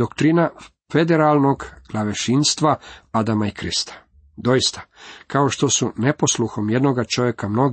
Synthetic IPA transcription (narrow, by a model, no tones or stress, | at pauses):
okt̪ɾina | fe̞d̪eɾalˠno̞ɡɡ̥lˠaʋeʃinst̪ʋaad̪amaikɾɨst̪ḁ | d̪o̞jist̪ḁkao̞ʃt̪o̞sune̞po̞slˠuxo̞mje̞d̪noɡat͡ʃo̞ʋjekamno̞ɡ